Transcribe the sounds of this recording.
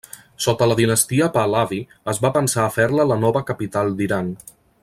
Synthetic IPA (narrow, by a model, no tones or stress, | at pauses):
sot̪ələðinəst̪iəpalaβi | əzβapənsaːfɛɾlələnɔβəkəpit̪alˠd̪iɾan